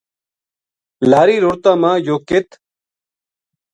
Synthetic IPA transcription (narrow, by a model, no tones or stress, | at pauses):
laːɾiːɾoɾt̪ãːmãːjoːkɪt̪